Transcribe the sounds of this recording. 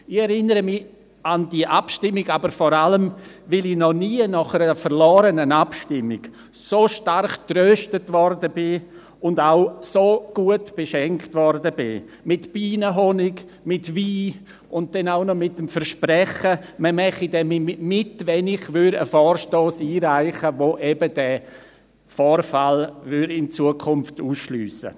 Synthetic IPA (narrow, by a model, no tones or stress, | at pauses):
ɪχɛɾɪnəɾəmɪ | andiəʔapʃtɪmːɪɡabəɾfɔɾaləmvɪlinɔniːənɔχəɾəfəɾlɔːɾənənapʃtɪmːɪɡ̥ | soːʃtarχtɾøːʃtətvɔɾdəbɪ | ʊndaʊsoːɡ̥uətb̥eʃɛŋktvɔɾdəbɪ̰ | mɪtb̥iːnəɦɔnɪɡ | mɪtviː | ʊnt̚d̥ɛnaʊnɔmɪtːəmfəɾʃprɛχəməmɛχidɛmmɪtvɛnɪχvʏɾə̰fɔːɾʃtoːsiːɾaɪχəʋoʔɛbədɛ | fɔːɾfalvʏɾɪnt͡suəkʰʊmftuːsʃlyːsə̰